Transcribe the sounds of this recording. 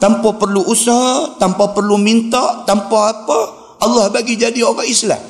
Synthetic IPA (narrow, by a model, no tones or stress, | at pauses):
t̪ampapərluʔusaɦat̪ampapərlumint̪aʔt̪ampaapa | ɑlːɑhbaɡid͡ʒadioɡaisla̰m